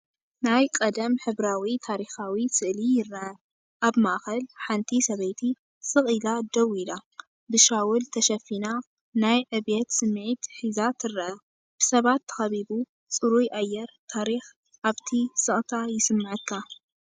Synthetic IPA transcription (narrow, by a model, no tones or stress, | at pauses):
najkʼɐd̪ɐmħɨβɾawit̪ʰaɾixawisɨʔlijɪrːʔɐ | ʔaβmaʔxɐlħant̪ʰisɐβɐjt̪ʰi | sɨχʼilad̪ɐwila | bɨʃawult̪ʰɐʃɐfina | najʕɨβet̪sɨmːʕit̪ħizat̪ʰɨrːʔɐ | b̥ɨsɐβat̪ʰːɐ̥xɐβibu | t͡sʼɨɾujʔajːɛɾt̪ʰaɾix | ʔaβt̪ʰisɨχʼt̪ʰajɪsɨmːɨʕɨkʰːa